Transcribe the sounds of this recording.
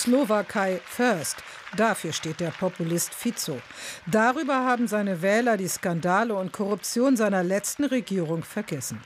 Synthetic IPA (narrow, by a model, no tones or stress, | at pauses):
slovakʰaɪfœɐst | d̥afyːɐʃteːt̚d̥eːɐpʰɔpulɪstfit͡so | d̥aʁyːbɐhaːbm̩zaɪnəvɛːlɐdiːskandaːləʊntkʰɔʁʊp̚t͡sjoːnzaɪnɐlɛt͡stn̩ʁeɡiːʁ̞ʊŋfɛɐɡɛsn̩